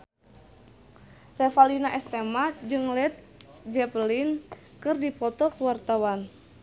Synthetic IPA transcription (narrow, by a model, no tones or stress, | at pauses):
rɛfalinaʔɛst̪ɛmad͡ʒɨŋlɛt̪̚ | d͡ʒɛplin | kɨrdipɔt̪ɔkuwart̪awan